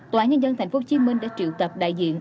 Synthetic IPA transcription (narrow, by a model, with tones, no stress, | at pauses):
t̪waː˧˩ɲə˧nzə˧nt̪ʰa˨˩ŋ̟fo˨˦t͡ɕi˨˦əmï˧ŋ̟ɗa̰ː˧˥t͡ɕḭ˧˨əwk̪ə˨˩p̚ɗa̰ː˧˨jzḭ˧˨əŋ